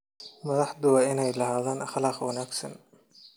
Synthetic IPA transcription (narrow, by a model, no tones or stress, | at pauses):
mɐðɑħd̪ʊwɑːʔɪnɛjlɐɦaːðaːnʔɐχlɑːqwɐnaːɡsɐ̰n